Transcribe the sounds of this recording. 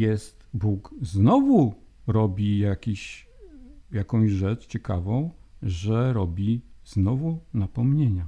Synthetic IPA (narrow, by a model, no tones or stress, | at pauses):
jɛst̪bukznɔvu | ɾɔbʲijakʲiɕ | jakɔ̃w̃ʑʐɛt͡ʂt͡ɕɛkavɔ̃w̃ʐɛɾɔbʲiznɔvunapɔmɲeɲa